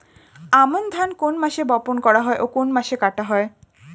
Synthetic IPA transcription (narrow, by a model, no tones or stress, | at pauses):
amond̪ʱankonmaʃebɔponkɔɽaɦɔeʔokonmaʃekaʈaɦɔe